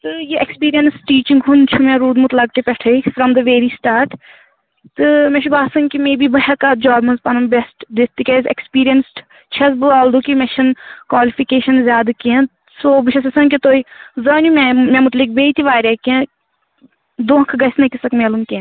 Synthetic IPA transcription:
t̪ɨjiʔekspiːɾijɐnsʈiːt͡ʃĩŋɡɦunt͡ʃʰumɛ̃ɾuːd̪mut̪lɐk̚t̪ipʲɛʈʰɐfɾɐmd̪ɐʋeːɾiːsʈaːɾʈ | t̪ɨmɛ̃ʃibaːsɐŋkimeːbibɐɦɐkad͡ʒaːɾmɐnzpɐnɐmbesʈd̪et̪ːikʲezḛkspiːɾijɐns | t͡ʃʰɐzbɨaːld̪ukimɛʃɐnkwaːlifikeːʃɐnzʲjaːd̪kɛ̃ | soːbɨʃʰɐsɐsɐŋkit̪oːizɐnumɛmɛ̃mʊt̪lik̚beːt̪iʋaːɾʲɐkẽ | d̪oːkʰɡɐsnɐkisɐkmelumkẽ

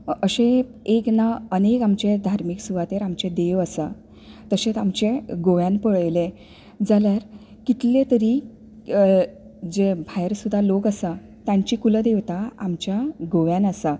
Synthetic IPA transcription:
əɕẽ | eknaənekamt͡ɕed̪ʱaɾmiksuʋat̪eɾamt͡ɕed̪eʋəsa | t̪əset̪amt͡ɕeɡoʋjãnpəɭjle | d͡zaljaɾ | kit̪let̪əɾi | d͡ʑebʱajɾsud̪ʱːalokəsa | t̪jãɲt͡ɕiːkuləd̪eʋt̪aamt͡ɕjaɡoʋjãnəsa

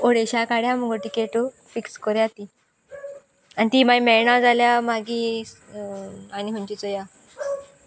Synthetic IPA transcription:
oɽeɕakaɽjam̤əɡoʈikeʈo | fikskəɾjat̪i | anit̪iːmaimɛɳad͡zaljamaɡiː | aniɦəɲt͡ɕit͡sɔja

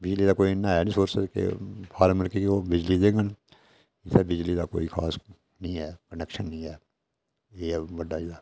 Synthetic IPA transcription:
bɪd͡ʒliːd̪aːkoːinːãːɦɛːnĩsoːɾsəkḛpʰaːɾməlkikobɪd͡ʒlid̪ẽːŋɡən | ɪsebɪd͡ʒlid̪ako̰ːixʰa̰ːs | nĩːɦɛːkənɛkʃənːəĩːɦɛː | eːʋəɖːaːiaː

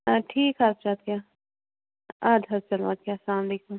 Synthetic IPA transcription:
aʈʰiːkap̚t͡ʃaːt̪jaː | aːd̪ʱɐɾt͡ʃɐlʋa̰ːt̪̚jaːslaːmleːkũːm

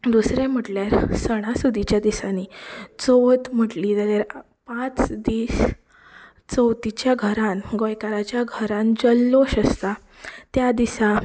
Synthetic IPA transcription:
d̪usɾem̤əʈljaɾsəɽ̃asud̪ʱit͡ɕjad̪isanit͡soʋt̪m̤əʈliːt̪aɾeɾ | pãt͡sd̪iːɕ | t͡səwt̪it͡ɕjaɡʱəɾãnɡojkaɾat͡ɕjaɡʱəɾãnd͡ʑəlːoɕəst̪a | t̪jad̪isa

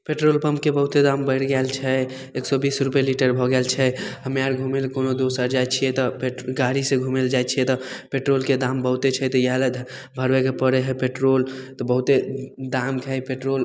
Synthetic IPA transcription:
peʈɾolpəmpkebəɦut̪ed̪ambəɪɽɡɛlt͡ʃʰɛ | eksɔbisɾupjeliʈəɾbʱɔɡɛlt͡ʃʰɛɦəmeaɾɡʱumelkonod̪osəɾd͡ʒajt͡ʃʰijɛt̪ɔpeɡaɾiseɡʱumeld͡ʒajt͡ʃʰiɛt̪ɔpeʈɾolked̪ambəɦut̪et͡ʃʰɛt̪ɔjaɦled̪ʱ | bʱəɾbekepəɽeɦɛpeʈɾolt̪ɔbəɦut̪ed̪amkʰɦɛpeʈɾol

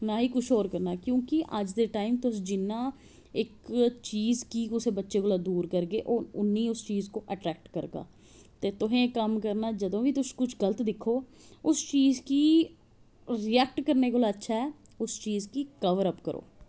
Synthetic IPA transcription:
naːɦiːkʊt͡ʃʰɦoːɾkəɾnaːkjõːkɪʔəd͡ʒd̪eːʈaːɪmt̪ʊsd͡ʒɪnːãː | ɪkt͡ʃiːzkiːʊseːbətːʃeːkoːlaːd̪uːɾkəɾɡeːʔoʊnːĩːʊst͡ʃiːzkoːʔəʈɾɛːk̚ʈkəɾɡa̰ː | t̪eːt̪ʊɦẽːkəmkəɾnaːd͡ʒəd̪õːʋiːt̪ʊskʊt͡ʃʰɡələt̪d̪ɪkʰːoː | ʊst͡ʃiːzkiː | ɾiɛːk̚ʈkəɾneːkoːlaːətːʃʰaːɦɛː | ʊst͡ʃiːzkiːkəʋəɾəpkəɾʔo̰ː

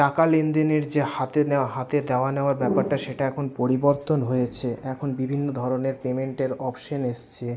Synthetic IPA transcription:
ʈakalend̪eneɾd͡ʑehat̪eneaɦat̪ed̪eoaneoaɾbɛpaɾʈaʃeʈaɛkʰonpoɾiboɾt̪onɦojet͡ɕʰeʔɛkʰonbibʱinːod̪ʱɔɾoneɾpemeɳʈeɾɔpʃoneʃt͡ɕʰe

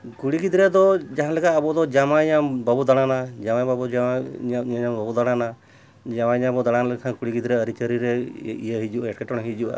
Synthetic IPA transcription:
kuɽiɡid̪ɾɛd̪ɔd͡ʒaɦãlɛkʰaːbɔd̪ɔd͡ʒamaiɲababud̪aɽ̃anad͡ʒamababɔd͡ʒaaaaɲabəbud̪aɽana | d͡ʒamaiɲãbɔd̪aɽ̃alɛkʰãɡuɽiɡid̪ɾɛəɾit͡ʃəɾiɾɛḭjəɦid͡ʒuʔaɛʈkɛʈɔɽ̃ɔɦid͡ʒuʔa̰

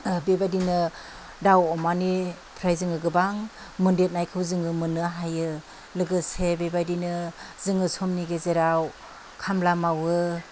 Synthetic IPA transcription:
bebajdinɯ | dawɔmani | pʰɾajzɯŋɯɡɯbaŋ | mɯndet̚najkʰɯwzɯŋɯmɯnɯɦajɯ | lɯɡɯsebebajdinɯzɯŋɯsʰɔmniɡezeɾaw | kʰamlamawɯ

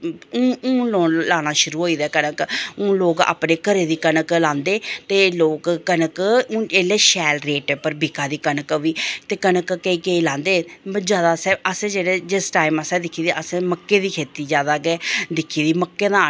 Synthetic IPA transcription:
ʊ̃ːũːloːlaːnaːʃʊɾuːɦoːiːd̪aːkənəkõːloːka̰ːpneːkəɾeːd̪iːkənəklãːnd̪eːt̪eːloːkːənəkːeːleːʃɛːlɾeːʈpəɾbikʰãːd̪iːkənəkʋiːt̪eːkənəkkeiːkeiːlãːnd̪eːd͡ʒjaːd̪aːsɛːəsẽːd͡ʒeːɽeːd͡ʒɪsʈaːiməsɛ̃ːd̪ɪkʰːiːd̪iːʔəsẽːməkːeːd̪iːkʰeːt̪iːd͡ʒjaːd̪aːkeːd̪ɪkʰːiːd̪iːməkːeːd̪ãː

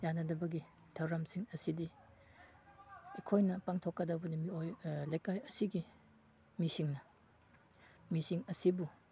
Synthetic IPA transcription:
janɐdɐbɐɡi | tʰɐwɾɐmsiŋɐsidi | ekʰojnɐpaŋtʰokːɐdɐbɐnimiojlajkajɐsiɡi | misiŋnɐ | misiŋɐsibu

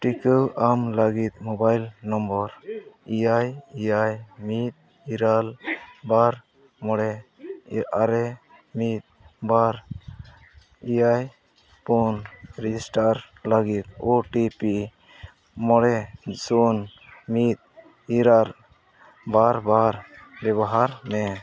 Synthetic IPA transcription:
ʈikəwamləɡit̪̚mɔbajlnɔmbɔɾiajijajmit̪̚ | iɾalbaɾ | mɔɽɛ | aɾɛ | mit̪̚baɾ | ijaj | punɾid͡ʒisʈaɾ | laɡit̪̚oʈipi | mɔɽɛsunmit̪̚ | iɾal | baɾbaɾbɛbaɦaɾmɛ

